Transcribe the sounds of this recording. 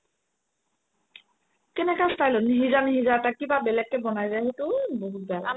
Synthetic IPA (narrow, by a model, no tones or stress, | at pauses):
kɛnɛkastajlɔniɦizaniɦizatakibabɛlɛkːɛbɔnajzajɦetʊbɔɦut̚bɛla